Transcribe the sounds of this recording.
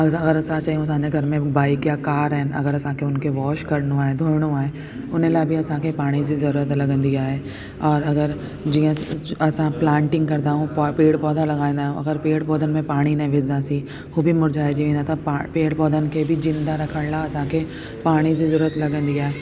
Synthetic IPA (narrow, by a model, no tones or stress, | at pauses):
ɐɐɣəɾɐsãt͡ɕaːɦijũɐs̬ãːɲd͡ʑeɡʱɐɾmẽbaːikjakaːɾɦɪn̆ɐ̰ɡəɾɐsãkʰeʊnkʰeʋɔːʃkɐɾɽ̃ũaːɦed̪ʱoːɾɪɽ̃ũaːɦe | ʊn̤əlaːbʱiɐsãkʰepaːɽ̃id͡ʑizɐɾuːɾət̪lɐɡə̃nd̪iaːɦe | ɔːɾɐɡəɾ | d͡ʑiːə̃ɐsãplãːɳʈɪ̃ŋɡkɐɾd̪aːɦũppeːɽpɔːd̪ʱalɐɡaːĩːnd̪aːɦũɐɡəɾpeːɽpɔːd̪ʱənɪ̆mẽpaːɽ̃inɐĩʋɪsd̪asi | ɦubʱimʊɾd͡ʑaːed͡ʑiʋẽːnd̪at̪ʰapːpeːɽpɔːd̪ʱənɪ̆kʰebʱɪzɪ̃nd̪aɾɐkʰəɽ̃laɐsãkʰe | paːɽ̃id͡ʑizɐɾuːɾət̪lɐɡə̃nd̪iaːɦe